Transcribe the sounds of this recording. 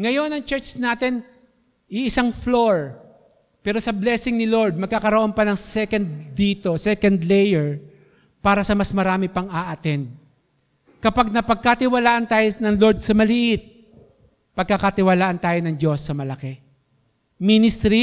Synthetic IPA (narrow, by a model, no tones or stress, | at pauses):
ŋɐjo̞nɐŋt͡ʃɛɹt͡ʃnaːt̪ɛn | ʔɪʔɪsaŋflo̞ɹ | pɛːɾo̞sɐblɛːsɪŋnɪlo̞ɹd̪̚mɐɡ̚kɐkɐɾoʔo̞npɐnɐŋsɛkɐnd̪ːiːt̪o̞sɛkɐnd̪lɛjɛɹ | paːɾɐsɐmɐsmɐɾaːmɪpɐŋaʔɐt̪ɛn | kɐpaɡ̚nɐpɐɡ̚kat̪ɪwɐlaːʔɐnt̪aːjonɐŋlo̞ɹd̪̚sɐmɐlɪʔɪt̪̚ | pɐɡ̚kɐkɐt̪ɪwɐlaːʔɐnt̪aːjonɐŋd͡ʒo̞sːɐmɐlɐkɛ | minɪst̪ɾi